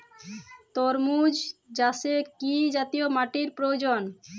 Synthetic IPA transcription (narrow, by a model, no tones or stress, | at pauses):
t̪oɾmud͡ʑd͡ʑasekid͡ʑat̪ijomaʈiɾpɾoed͡ʑon